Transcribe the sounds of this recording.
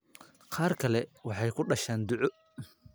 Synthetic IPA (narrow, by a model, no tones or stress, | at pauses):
qʰɑːrkʰɐlɛwɑħɑjkʰʊɖɐʃaːnd̪ʊʕɔ